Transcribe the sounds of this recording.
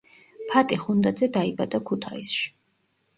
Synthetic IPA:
pʰat̪ʼiχund̪ad̪zɛd̪aibad̪akʰut̪ʰaḭsʃi̥

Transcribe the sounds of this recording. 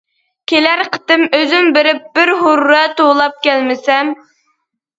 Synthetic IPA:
kʲʰelæɾqʰə̥t̪ɨmøzymbɪɾɪp̚bɪɾɦʊɾːɛt̪olˠɑp̚kʲɛlmɪsɛm

